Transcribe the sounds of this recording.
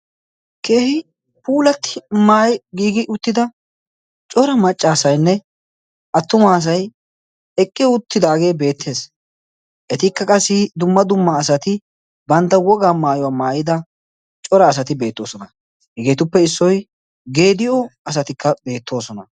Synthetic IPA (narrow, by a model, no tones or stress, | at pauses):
ke̞ːhɪ | puːlɐt̪ʰːɪ̥maːjɡiːɡɪʔʊt̪ːɪd̪ɐ | t͡ʃʼɔɾɐmɐt͡ʃʼːaːsɐjnːɛ | ʔɐt̪ːʊmaːs̬ɐj | ɛkʼːɪjʊt̪ːɪd̪aːɡe̞ːbe̞ːt̪ʰːe̞ːs | ʔɛt̪ɪkːɐkʼɐsːɪd̪ʊmːɐd̪ʊmːɐːsɐt̪ɪ | bɐnt̪ːɐwɔɡaːmaːjʊwaːmaːjɪd̪ɐ | t͡ʃʼɔɾɐːs̬ɐt̪ɪbe̞ːt̪ːo̞̰ːsɔnɐ | hɛɡe̞ːt̪ʊpːɛɪsːɔj | ɡe̞ːd̪ɪjɔɐs̬ɐt̪ɪkʰːɐbe̞ːt̪ʰːo̞ːsɔnɐ